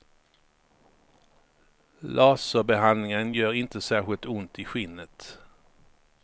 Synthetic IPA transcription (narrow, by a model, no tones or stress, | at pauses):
lʔɑːsəbɛɦanlɪŋənjœːɾɪnt̪əsæːɾɧɪlt̪ʊnt̪ɪɧɪnːət̪